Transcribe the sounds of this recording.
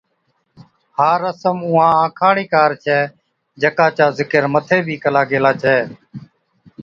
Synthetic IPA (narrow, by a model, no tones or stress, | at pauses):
haːɾəsəmʊːãːãːkʰaːɽiːkaːɾt͡ʃʰɛː | d͡ʒəkãːt͡ʃaːzɪkəɾmət̪ʰeːbʱiːkəlaːɡeːlaːt͡ʃʰɛː